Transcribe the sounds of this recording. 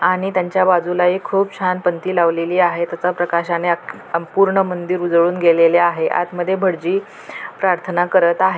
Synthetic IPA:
aɽ̃it̪jaɲt͡ɕjabad͡zulaikʰuːpt͡ɕʰanpənt̪iːlaʋleliːaɦet̪jat͡sapɾəkaɕanea | əpuɾɳəmənd̪iɾud͡zɭuːnɡeleleaɦeʔa̰t̪məd̪ʱːjebʱəɽd͡ʑiː | pɾaɾt̪ʰənakəɾət̪aɦe

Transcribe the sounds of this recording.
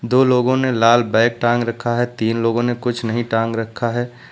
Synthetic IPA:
d̪oːloːɡõnelaːlbaːk̚ʈãːŋɡɾɐkʰːaɦɛt̪iːnloːɡõnekʊt͡ʃʰnɐɦĩʈãːŋɡɾɐkʰːaɦɛː

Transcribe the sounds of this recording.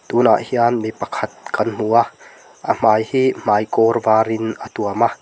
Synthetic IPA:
t̪una̰ʔhianmipɐkʰɐt̪̚kɐnm̥ua | ʔəm̥aːjhiːm̥aːjkɔrvaːɾɪnʔət̪uɐma

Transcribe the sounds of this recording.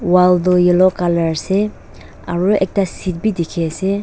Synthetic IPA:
waldujilɔkalaɹse | aɹuḛk̚tasit̚bidikʰese

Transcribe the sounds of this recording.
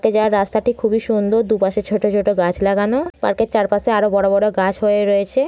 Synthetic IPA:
ked͡ʑaaɾːast̪aʈikʰubiʃund̪ʱod̪upaʃet͡ɕʰoʈot͡ɕʰoʈoɡat͡ɕʰlaɡanopa̰ɾket͡ɕaɾpaseaɾobɔɽobɔɽoɡat͡ɕʰɦoeɾoet͡ɕʰe

